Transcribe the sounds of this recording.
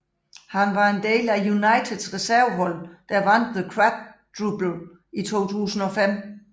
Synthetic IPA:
hænʋɑ̈e̝nd̥e̝̰ːlæjunɑ̈ɪt͡sʰeð̥ˠsʁɛsæɐ̰ɦɒ̽l̰d̥æʋæn̰d̥ðəkʰʁæb̥̚d̥ʰʁub̥l̩ | it͡sʰo̝̰ːt͡sʰṵːsn̩ɒ̽fem̰

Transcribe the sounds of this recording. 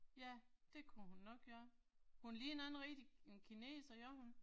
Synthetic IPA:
jæd̥e̝kʰuhunːɒ̽ɡ̥̚ɡ̥ɶːɐ | hunliːe̝nænn̩ʁid̥ienkʰine̝̰ːsɒjɒhun

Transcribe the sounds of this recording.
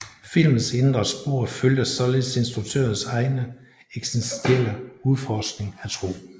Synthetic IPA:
fil̰mn̩send̥ʁɐsb̥o̝ɐ̰føljɐsɒ̽le̝ðˠse̝nsd̥ʁuɡ̚t͡sʰø̰ːɐn̩sɑ̈ɪnə | eɡ̥sensd̥ʰiel̰əuðˠfɒsɡ̥ne̝ŋæt͡sʰʁo̝̰ː

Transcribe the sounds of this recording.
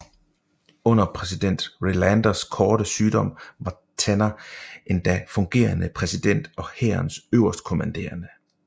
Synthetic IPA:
ɔ̽n̰ɐpʰʁɛsid̥en̰d̥ʁilænd̥ɐskʰɒːɾ̥əsyːdɒ̽m̰ʋɑ̈ | t͡sʰenɐe̝nd̥æfɔ̽ŋɡ̥e̝̰ːɐnəpʰʁɛsid̥en̰d̥ɒ̽heːɐnsøʊɐsd̥kʰo̝mænd̥e̝̰ːɐnə

